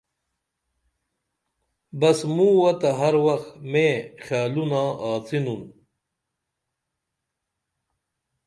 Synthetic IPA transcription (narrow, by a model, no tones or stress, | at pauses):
bɐsmũwɐt̪ɐɦɐɾwɐxmẽːxjaːlunãːaːt͡sinun